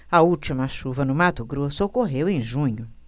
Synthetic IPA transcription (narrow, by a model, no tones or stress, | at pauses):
ɐut͡ʃimɐʃuvɐnʊmat̪ʊɡɾosʊokoɦewẽj̃ʒũɲʊ